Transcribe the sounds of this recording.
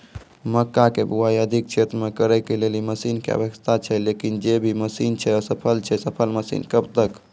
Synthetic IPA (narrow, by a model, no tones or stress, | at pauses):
məkːakebuaiəd̪ʱik̚t͡ʃʰet̪ɾmekəɾɛkeleliməsinkḛə̰bəkst̪ʰat͡ʃʰɛlekind͡ʒebʱiməsint͡ʃʰɛsəpʰəlt͡ʃʰɛsəpʰəlməsḭnkəbt̪ək